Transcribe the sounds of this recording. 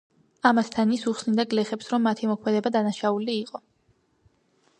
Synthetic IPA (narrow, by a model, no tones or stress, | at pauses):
amast̪ʰanisuχsnid̪aɡlɛχɛpsɾɔmːat̪ʰimɔkʰmɛd̪ɛbad̪anaʃauliːqʼɔ